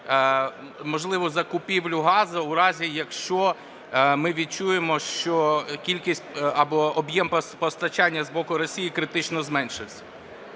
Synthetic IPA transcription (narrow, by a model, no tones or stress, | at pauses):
mɔʒlˠɪʋɔzɐkʊpʲiwlʲʊɦɑzɐʊɾɑzʲijɐkʃt͡ʃɔ | mɪʋʲid̪̚t͡ʃujemɔʃt͡ʃɔkʲilʲkʲisʲtʲɐbɔɔbjɛmppɔst̪ɐt͡ʃɑnʲːɐzbɔkʊɾɔsʲijikɾɪt̪ɪt͡ʃnɔzmɛnʲʃɪsʲɐ̥